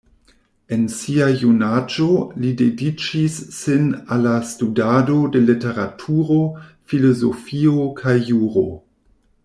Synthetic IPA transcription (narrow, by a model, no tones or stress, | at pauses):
e̞nsiajunad͡ʒolidedit͡ʃisːenalːastudado̞de̞lete̞ɾatʰuɾo̞ | filozofiokʰajːuɾo̞̰